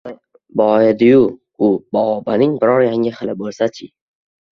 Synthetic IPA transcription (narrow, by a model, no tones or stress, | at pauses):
bɒjad̪ɪju | ʊbɒːbanɪŋbɪɾɒɾjaŋʲɪχɨlɪbolˠsat͡ʃʰi